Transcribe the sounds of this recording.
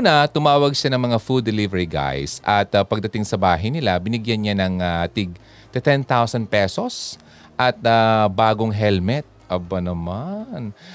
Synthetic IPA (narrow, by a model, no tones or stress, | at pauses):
nɐt̪ʊmaːwɐɡʃanɐŋmɐŋafud̪ːɛlivɛɹiɡa̰jsʔɐt̪ɐpɐɡ̚d̪ɐt̪ɪŋsɐbaːɦɐjnɪlabɪnɪɡjanɲanɐŋat̪ɪɡ̚ | t̪ɛt̪ɛnt̪awsɐnd̪̚pɛso̞s | ʔɐt̪̚abaːɡoŋɦɛlmɛt̪̚ʔɐbɐnɐman